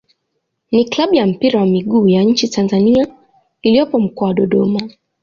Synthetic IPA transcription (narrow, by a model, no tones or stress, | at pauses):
niklaɓujam̩piɾawamiɠuːjaɲ̩t͡ʃitʰanzania | ilijɔpɔm̩kɔːwaɗɔɗɔma